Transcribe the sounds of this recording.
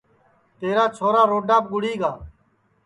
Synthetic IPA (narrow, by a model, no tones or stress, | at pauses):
t̪eːɾaːt͡ʃʰoːɾaːɾoːɖaːp̚ɡʊɽiːɡaː